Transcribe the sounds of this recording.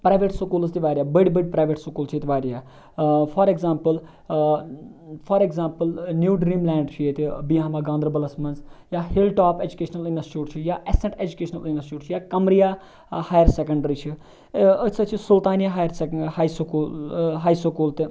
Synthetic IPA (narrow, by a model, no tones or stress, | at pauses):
pɾaːjʋeːʈsukuːlzt̪iʋaːɾjaːbəɽbəɖpɾaːʋeʈsukuːlt͡ʃʰit̪ʲʋaːɾjaː | fʰɐɾeɡzaːmpəl | fɐɾeɡzaːmpəlnjuːɖɾĩːmlɛːɳɖt͡ʃʰijet̪ibiɦaːmaːɡãːnd̪ɾɐbɐlɐsmɐnzjaːhilʈaːped͡ʒukeːʃɐnɐlĩnɖɐsʈjuːɾt͡ʃʰijaːʔesɐ̃ɳʈed͡ʒukeːʃɐnɐlĩnɖəsʈuːɾt͡ʃʰijaːkɐmɾijaː | haːjɐɾsekɐɳɖəɾit͡ʃʰi | ət͡sʰɐt͡ʃʰisult̪aːnjaɦaːjəɾsehaːjskːɦaːjsukuːlt̪i